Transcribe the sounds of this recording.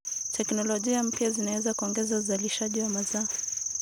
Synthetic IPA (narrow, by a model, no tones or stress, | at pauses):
tʰɛknɔlɔʄiam̩pjazinawɛzakuɔŋɡɛzauzaliʃaʄiwamaza